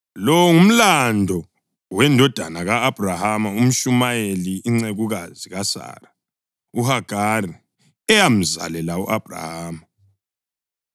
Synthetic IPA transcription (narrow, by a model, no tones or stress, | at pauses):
lɔwŋum̩landʱɔ | wɛndʱɔd̥ʱanaɣaːb̥ʱrahamaum̩ʃumajeliiŋ͡ǀeɣuɣaziɣasa̰ra | uɦaɡ̥ʱari | ɛjam̩za̰lɛlauʔab̥ʱra̰haːma